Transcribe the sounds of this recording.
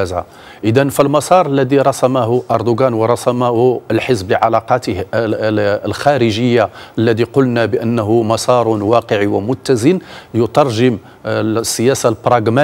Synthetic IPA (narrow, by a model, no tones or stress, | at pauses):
æza̰ | ʔəd̪ənfilmɑsˤɑɾˤəlːæd̪iɾˤɑsɑmaɦʊʔɑɾˤd̪ʊɡænwəɾˤɑsɑmahʊəlħəzbləʕalɑqɑt̪əh | lxæɾəʒəjːaʔəlːæd̪iqʊlnabəʔənːəɦumɑsˤɑɾˤʊnwɑqəʕiwəmʊt̪ːæzənjʊt̪ɑɾˤʒəm | sːəjæsalbɾˤɑɡmæ